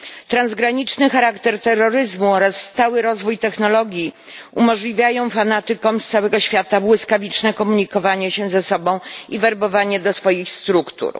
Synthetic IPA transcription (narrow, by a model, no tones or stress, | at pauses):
t̪ɾanzɡɾaɲit͡ʂnɘxaɾakt̪ɛɾt̪ɛrːɔɾɘzmuɔɾasːt̪awɘɾɔzvujt̪ɛxnɔlɔɡʲji | umɔʐlʲivʲjajɔ̃w̃fanat̪ɘkɔ̃w̃st̪sawɛɡɔɕfʲjat̪abwɘskavʲit͡ʂnɛkɔmuɲikɔvaɲɛɕɛzɛsɔbɔ̃w̃ivɛɾbɔvaɲɛd̪ɔsfɔjixst̪ɾukt̪ṵɾ